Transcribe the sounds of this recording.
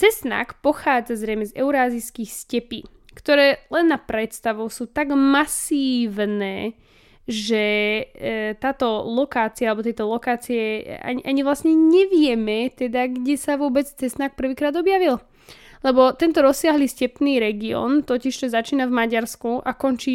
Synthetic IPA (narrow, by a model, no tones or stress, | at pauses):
t͡sɛsna̰ːkpɔxaːd͡zazɾɛjmɛzɛ̰ʊɾaːziskixscɛpḭː | kt̪ɔɾɛːlɛnːapɾɛt̪st̪aʋɔʊsuːt̪aɡmasiːʋnɛː | ʒɛ | t̪aːt̪ɔlɔkaːt͡sialɛbɔt̪jɛjt̪ɔlɔkaːt͡sijɛa̰ɲiʔaɲivlasɲɛɲɛʋɪjɛmɛt̪ɛd̪aɡɟɛsaʋʊɔbɛt͡st͡sɛsnak̚pr̩ʋiːkɾaːd̪ɔbjaʋil | lɛbɔt̪ɛnt̪ɔɾɔsːɪaɦliːscɛpniːɾɛɡiɔ̰ːnt̪ɔciʃt͡ʃɔzat͡ʃiːnavmaɟaɾskuʔakɔnt͡ʃiː